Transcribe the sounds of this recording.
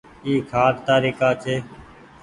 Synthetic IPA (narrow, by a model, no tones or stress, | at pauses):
iːkʰaːt̪t̪aːɾiːkaːt͡ʃʰeː